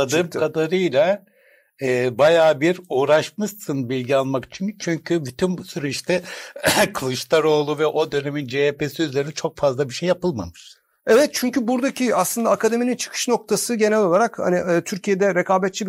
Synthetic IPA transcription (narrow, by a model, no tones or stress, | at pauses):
ad̪ɯːmkʰad̪aɾɯjlʲˠa | ɛːbajaːbiɾuːɾaʃmɯst̪ʰɯnbilʲɟialˠmaki̥t͡ʃʰint͡ʃʰyɲcʰybit̪ʰymbusyɾyiʃt̪ʰɛ | kʰɯlˠɯʃt̪aɾo̞ːlˠuvɛʔo̞d̪ø̞ne̞mind͡ʒeepesiyzlʲe̞ɾinit͡ʃʰo̞kfazlˠabiʃe̞jːapɯlˠma̰mɯʃ | ɛvɛt̪̚t͡ʃʰyɲcybuɾd̪acʰiaslˠɯnd̪aːkad̪e̞minint͡ʃʰɯ̥kʰɯ̥ʃno̞k̚t̪ʰasɯɟe̞nɛlʲo̞lˠaɾakha̰niːt̪ʰyɾcʰijed̪ɛɾekʰaːbɛt̪t͡ʃʰi